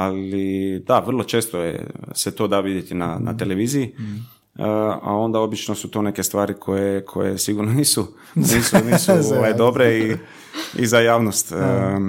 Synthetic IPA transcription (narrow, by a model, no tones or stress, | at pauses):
alid̪aʋərlˠo̞t͡ʃeːst̪ojḛset̪o̞ːd̪aʋid̪jet̪ina̰na̰t̪e̞le̞ʋiːziji | a̰o̞nd̪ao̞bit͡ʃnosut̪one̞kest̪ʋaːɾikʰo̞jekʰo̞̰je̞̰siɡuɾnoniːsu | niːsunisoʋejd̪o̞bɾei | ḭzajaːʋnost̪ə